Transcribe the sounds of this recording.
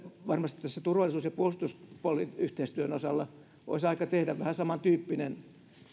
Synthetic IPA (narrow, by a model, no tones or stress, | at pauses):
ʋɑrmɑst̪i̥t̪ːæsːæt̪urʋɑlˑisuːsjɑpuost̪uspuolːiyht̪eist̪yønosɑlːɑ | ʔo̰isɑikɑt̪ehdæʋʋæhæsɑmɑnt̪yːpːinen